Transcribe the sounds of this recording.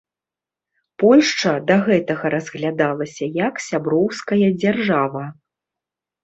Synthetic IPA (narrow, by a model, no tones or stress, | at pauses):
pɔlʲʂt͡ʂɐd̪ɐɣɛt̪ɐɣɐɾɐzɣlʲad̪alˠɐsʲɐjɐksʲabɾɔwskɐjɐd͡zʲarʐavɐ